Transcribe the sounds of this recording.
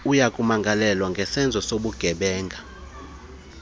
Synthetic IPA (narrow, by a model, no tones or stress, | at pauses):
ujakʼumaŋɡʱalɛlwaŋɡʱɛsɛnd͡zʱɔsoɓuɡ̥ʱɛɓɛːŋɡʱa